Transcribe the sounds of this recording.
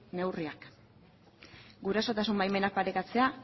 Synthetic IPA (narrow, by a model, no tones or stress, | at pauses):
ne̞wriak | ɡuɾaso̞t̪asumbajme̞nak̚paɾe̞kat͡se̞a